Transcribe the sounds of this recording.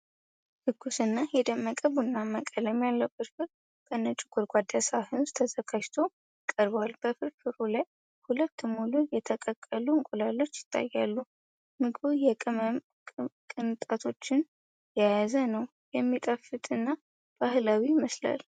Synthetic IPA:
hɨɡːusɨnːajɛd̪əmːəkʼəβunːaməkʼələmjalːəkʼɨt̪bɨɾ | kʰʼənːət͡ʃʼɪɡ̥uɾɡʷad̪asaahɨnust̪ʰəzəɡad͡ʒt̪ʰo̞ | kʼəɾbwalb̥əfɨɾfɨɾulaj | hulət̪ːmulujɛt̪ʰəkʼəkʼːəluɨŋkʼulalːo̞t͡ʃːjɪ̥t̪ʰːa̰jːalːu | mɨɡbujɛkʼɨmə | kʼɨnt̪ʼat̪ʰo̞t͡ʃːɪn | jajazənəw | jɛmːit̪ʼəfɨt̪ʼɨnːa | b̥ahlawiməsla̰l

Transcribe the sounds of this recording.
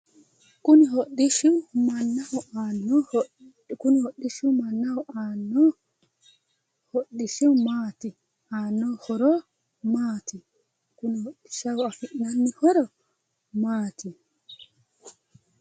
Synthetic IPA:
kuniɦoɗːiʃiwmanːaɔanɔ | kunihoɗːiʃiwmanːaɔʔanːɔ | hoɗːiʃiwmati | anːɔhɔɾɔ | mati | kunihoɗːi̥ʃawafiʔnanːihɔɾɔ | maːtʰi

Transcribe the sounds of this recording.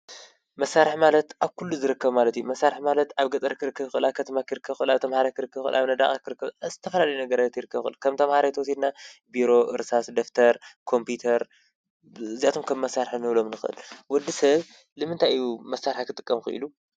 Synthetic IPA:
mɐsːaɾɨħmalɐt̪ʔaβkʰulːuzɨɾɨkːɐβmalɐt̪ijumɐsːaɾħmalɐt̪aβɡɐt͡s̪ʼɐɾkʰɨɾɨkʰːɐβxɨʔɨlakʰɐt̪ʰɐmakʰɨɾɨkʰːɐβxɨʔɨlaβt̪ʰɐmhaɾakɨɾɨkːɐβxɨlʔaβnɐd̪aχʼakʰɨɾɨkːɐβazɨt̪ʰɐfɐlalɐjunɐɡɐɾajt̪jiɾɨkʰːɐβxɨʔɨlukʰɐmt̪ʰɐmhaɾajt̪ɐwɔsid̪nabiɾo̞ʔɨɾsasd̪oft̪ʰɐɾkʰo̞mpjut̪ʰɐɾ | ɨziat̪ʰomkʰɐβmːɐsːaɾħɨnɨβlomnɨxɨʔɨ̰lwɔd̪isɐβ | lɨmɨnt̪ʰajjumɐsaɾħakʰɨt̪ʼɨkʼːɐmxɨ̰ʔɨ̰lu

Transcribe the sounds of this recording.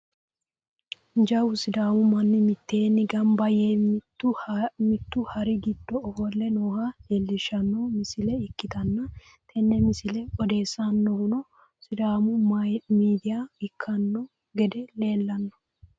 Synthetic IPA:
nd͡ʒɐwʊsɪd̪aːmʊmɐnːɪmɪt̪ːeːnːɪɡɐmbɐjeːt̪ːʊmɪt̪ːʊhɐɾɪɡɪd̪ːɔːfɔlːɛnoːhahelːɪʃɐnːɔmɪsɪlɛɪkːɪt̪ɐnːɐ | t̪ʰɛnːɛmɪsɪlɛɔd̪e̞ːsɐnːɔwʊnɔ | sɪd̪aːmʊmiːd̪ɪjaɪkʰːɐnːɔ | ɡɛd̪ɛle̞ːlːɐnːɔ̥

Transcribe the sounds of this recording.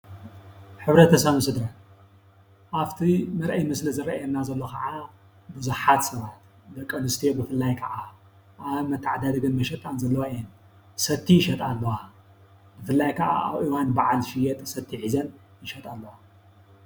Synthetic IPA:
ħɨβɾɐt̪ʰɐsɐβɨsɨd̪ɾɐ | ʔaft̪ʰimɐɾʔɐjmɨslɨzɨɾɐʔjɛnːazɐlːo̞kʰɐʕa | bɨzuħat̪sɐβat̪ | d̪ɐkʼːɐnɨst̪ʰijobɨfɨlːajkʰɐʔa | ʔaβmɐt̪ʰːaʕad̪ad̪ɨɡɨnmɐʃɐt̪ʼanzɐlːɐwaijɛn | sɐt̪ʰːiʃɐt̪ʼalːɐwa | bɨfɨlːajkʰɐʔa̰a̰βʔiwanbaʕalʃijɛt̪ʼsɐt̪ʰːiħizɐn | ɪʃɐt̪ʼalːɐwa

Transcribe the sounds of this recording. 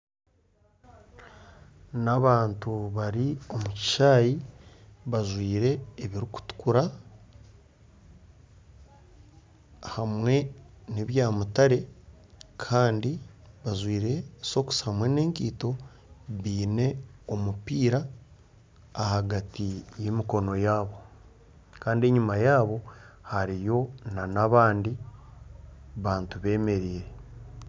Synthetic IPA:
naβaːntuβaɾio̞muci̥ʃaːji | βaʒwiːɾe̞ːβiɾiku̥tu̥kuɾa | hamwe̞niβjaːmutaɾe̞ | kʰaːndi | βazwiːɾe̞so̞ku̥shamwe̞ne̞ːŋkiːto̞ | βiːne̞omupiːɾa | haɡatijemiko̞no̞jaːβo̞ | kaːndie̞ɲumajaːβo̞haɾijo̞nanaβaːndi | βaːntuβe̞ːme̞ɾiːɾe̞

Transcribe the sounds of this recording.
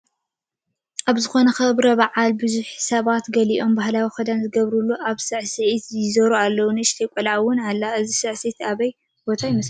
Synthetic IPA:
ʔaβzɨxo̞nɐxɐβɾɐβaʕalbɨzuħsɐβat̪ɡɐliʔo̞mbahlawixɐd̪anzɨɡɐβɾulːuʔaβsɨʕsɨʕit̪jɪzɐɾualːɐwunɨʃt̪ʰɐjkʷʼɐlaʕwʊnalːaɨzisɨʕsit̪ʰaβɐj | b̥o̞t̪ʰajimɐs

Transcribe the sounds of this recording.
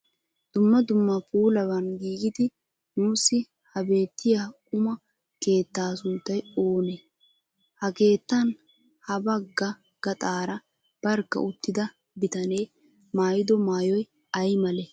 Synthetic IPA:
d̪̥ʊmːɐd̪ʊmːɐpʼuːlɐbɐnɡiːɡɪd̪ɪ | nuːsːɪ | hɐbe̞ːt̪ʰːɪjakʼʊmɐ | ke̞ːt̪ːaːsʊnt̪ːɐjoːne | hɐke̞ːt̪ːɐn | hɐbɐɡːɐ | ɡ̥ɐt̪ʼaːɾɐ | b̥ɐɾkːɐ̰ʔʊt̪ːɪd̪ɐ | bɪt̪ɐne̞ː | maːjɪd̪ɔmaːjɔj | ɐjmɐlɛ

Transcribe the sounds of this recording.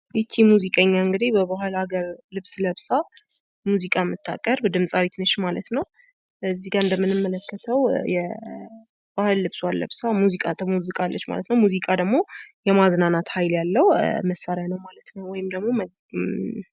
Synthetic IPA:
ʔɪt͡ʃʰːimuzikʼəɲːaɨŋɡɨd̪ebəbahɨlaɡəɾlɨβsləβsa | muzikʼamɨt̪ʰːa̰kʼəɾbd̪ɨmsʼawit̪nəʃmalət̪nəw | bəzːiɡaɨnd̪əmːɨnɨmːələkːət̪ʰəwjɛ | bahɨlːɨβswalːə̰βsamuzikʼat̪ʰəmuzikʼalːət͡ʃːma̰lət̪nəwmuzikʼad̪əɡmo̞jɛmaznanat̪hajljalːəwməsaɾjanəwmalət̪nəwwɔjɪmd̪əɡmo̞m

